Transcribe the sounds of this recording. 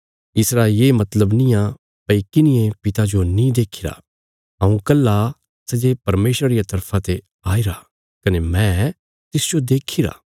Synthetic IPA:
ɪsɾaːilemɐt̪ləbnɪ̃jã | pɐikɪnɪẽpɪt̪ad͡ʒonĩd̪eːkʰiɾa̰ | ɐũkɐlːa | sɛd͡ʒepɐɾmeːʃɾɾijat̪ɐɾpʰãt̪e | aːiɾa | kɐnemɛ̃ː | t̪ɪsd͡ʒod̪eːkʰiɾa̰ː

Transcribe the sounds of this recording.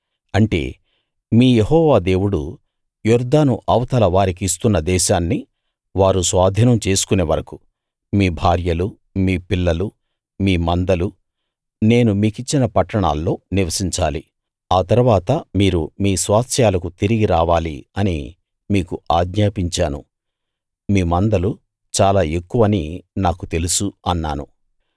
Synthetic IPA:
ɐɳʈe̞̰ː | miːjehɔːʋaːd̪e̞ːwuɽu | juɾd̪aːnuʔɐwt̪ɐlɐʋaːɾikiːst̪unːɐd̪ɛːʃaːnːi | ʋaːɾusʋaːd̪ʱinɐmt͡ʃe̞ːsu̥kune̞ːʋɐɾɐku̥ | miːbʱaːɾjɐlu | miːpilːɐlu | miːmɐnd̪ɐlu | ne̞ːnumiːkit͡ʃːinɐpɐʈːɐɳa̰ːlːo̞ːniʋɐsiɲt͡ʃaːli | aːt̪ɐɾuʋaːt̪ɐmiːɾumiːsʋaːt̪sjaːlɐkut̪iɾiɡiɾaːʋaːlḭɐnḭ | miːkuʔaːɡɲaːpiɲt͡ʃaːnṵ | miːmɐnd̪ɐlu | t͡ʃaːlaːe̞kːuʋɐninaːkut̪e̞lusuɐnːa̰ːnu

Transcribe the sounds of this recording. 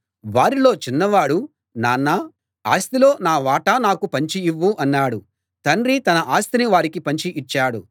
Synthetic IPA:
ʋaːɾilo̞ːt͡ʃinːɐʋaːɽu | naːnːɐ | a̰ːst̪ilo̞ːnaːʋaːʈɐnaːkupɐɲt͡ʃiiʋːuʔɐnːaːɽu | t̪ɐnɾit̪ɐnɐʔaːst̪iniʋaːɾikipɐɲt͡ʃiʔit͡ʃːaːɽu

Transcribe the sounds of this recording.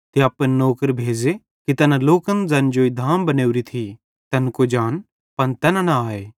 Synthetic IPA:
t̪eɐpənoːkəɾbʱeːd͡ʒe | kit̪ɐnãloːkənd͡zɐnd͡ʒoːid̪ʱaːmbɐneːuɾit̪ʰi | t̪ɐnkod͡ʒaːn | pɐnt̪ɐnãnaaːeː

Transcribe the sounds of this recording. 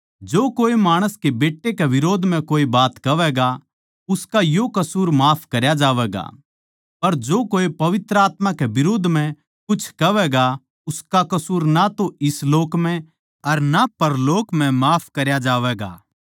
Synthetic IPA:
d͡ʒoːkoːemaːɽ̃əskebeːʈːekeʋɪɾoːd̪ʱmɛ̃koːibaːt̪kɐʋɛːɡa | ʊskajokɐsuːɾmaːpʰkɐɾjad͡ʒaːʋɛːɡa̰ː | pɐɾd͡ʒoːkoːepɐʋɪt̪ɾəaːt̪mãkebɪɾoːd̪ʱmɛ̃ | kʊt͡ʃʰkɐʋɛːɡa | ʊskakɐsuːɾnat̪oɪsloːkmɛ̃ | ɐɾnapɐɾloːkmɛ̃maːpʰkɐɾjad͡ʒaːʋɛːɡa̰ː

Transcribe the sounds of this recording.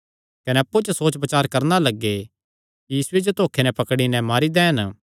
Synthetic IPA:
kɐnɛɐpːut͡ʃəsoːt͡ʃpɐt͡ʃaːɾkɐɾnalɐɡːe | jiːsʊed͡ʒot̪oːkʰenɛ̃pɐkɽinɛ̃maːɾid̪ɛ̃ːɦən

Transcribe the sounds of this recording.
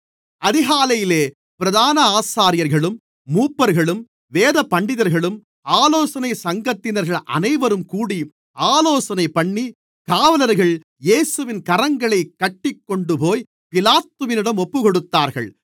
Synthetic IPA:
ɐðɪɣaːlɐjɪleː | pɪɾɐðaːnɐaːsaːɾɪjɐɾɣɐɭɯmː | uːpːɐɾɣɐɭɯm | ʋeːðɐpɐɳɖɪðɐɾɣɐɭɯm | aːloːsɐnɐɪsɐŋɡɐt̪ːɪnɐɾɣɐɭʔɐ̰nɐɪʋɐɾɯmkuːɽi | aːloːsɐnɐɪpɐɳːi | kaːʋɐlɐɾɣɐɭ | jeːsɯʋɪnkɐɾɐŋɡɐɭɐɪkːɐʈːɪkːɔɳɖɯpoːj | pɪlaːt̪ːɯʋɪnɪɽɐmɔpːɯkɔɽɯt̪ːaːɾɣɐ̰ɭ

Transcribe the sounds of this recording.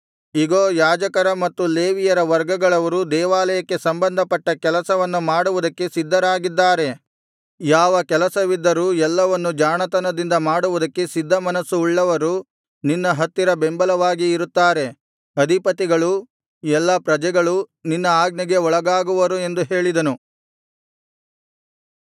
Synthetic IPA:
iɡoːjaːd͡ʒɐkɐɾɐmɐt̪ːuleːʋijɐɾɐʋɐɾɡɐɡɐɭɐʋɐɾud̪ɛːʋaːlɐjɐkːe̞sɐmbɐnd̪ʱɐpɐʈːɐkɛlɐsɐʋɐnːumaːɽuʋud̪ɐkːe̞sid̪ʱːɐɾaːɡid̪ːaːɾe̞ | jaːʋɐkɛlɐsɐʋid̪ːɐɾuɛlːɐʋɐnːud͡ʒaːɳɐt̪ɐnɐd̪ind̪ɐmaːɽuʋud̪ɐkːe̞sid̪ʱːɐmɐnɐsuːɭːɐʋɐɾu | ninːɐɦɐt̪ːiɾɐbembɐlɐʋaːɡiːɾut̪ːaːɾe̞ | ɐd̪ʱipɐt̪iɡɐɭu | ɛlːɐpɾɐd͡ʒɛɡɐɭuninːɐaːɡniɡe̞ɔɭɐɡaːɡuʋɐɾue̞nd̪uɦe̞ːɭid̪ɐnu

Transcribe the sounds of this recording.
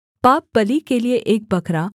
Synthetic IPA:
pap̚bəlikelijeʔek̚bəkʰɾa

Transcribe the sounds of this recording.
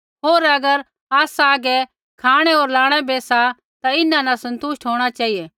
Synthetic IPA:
ɦoːɾɐɡəɾ | aːsaːɡɛ | kʰaːɽ̃ɛɦoːɾlaːɽ̃ɛbeːsa | t̪aɪnãnasɐ̃nt̪ʊʃʈɦoːɽ̃at͡ʃaːɦijɛː

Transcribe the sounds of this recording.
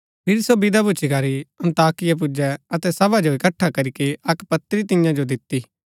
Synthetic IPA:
pʰɪɾsobɪd̪abʊt͡ʃʰikaːɾiɐ̃nt̪aːkɪjap̬ʊd͡ʒɛɐt̪ɛsɐbad͡ʒoɪkɐʈʰːakɐɾikiɐkpɐt̪ɾit̪ɪ̃jãd͡ʒod̪ɪt̪ːiː

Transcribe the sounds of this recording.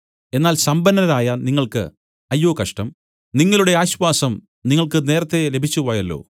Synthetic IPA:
e̞nːaːlsɐmbɐnːɐɾaːjɐniŋːɐɭkɨ̰ | ɐjːo̞ːkɐʂʈɐm | niŋːɐluɽe̞aːɕʋaːsɐm | niŋːɐɭkɨne̞ːɾɐt̪ːe̞lebʱit͡ɕːuʋɐːjɐlːo̞̰ː

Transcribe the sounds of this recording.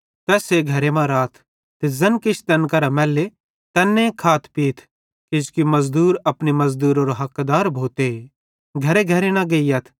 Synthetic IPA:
t̪ɛːseɡʱɐɾemãɾaːt̪ʰ | t̪ezɐnkɪt͡ʃʰt̪ɐnkɐɾamɛːlːe | t̪ɐnːẽkʰaːt̪ʰpiːt̪ʰ | kɪskimɐzd̪uːɾɐpnimɐzd̪uːɾoːɾoɦɐkd̪aːɾbʱoːt̪e | ɡʱɐɾeɡʱɐɾenɐ̃ɡɐijɐt̪ʰ

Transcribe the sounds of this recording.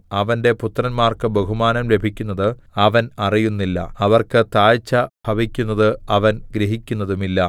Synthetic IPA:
ɐʋɐnde̞put̪ːrɐnmaːrkɨbɐɦumaːnɐmle̞bʱikʲːunːɐðɨɐʋɐnɐrijunːilːɐ̰ɐʋɐrkɨt̪aːjt͡ɕːɐbʱɐbikʲːunːɐðɨɐʋɐnɡɾiɦikʲːunːɐðumilːɐ

